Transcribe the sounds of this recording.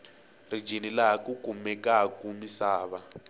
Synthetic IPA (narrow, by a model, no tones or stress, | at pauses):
rid͡ʒʱinilaɦakukumɛkakumisaːβa